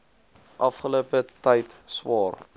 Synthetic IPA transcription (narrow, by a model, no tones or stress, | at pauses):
ʔɐfχəluəpətɛjtswɑːr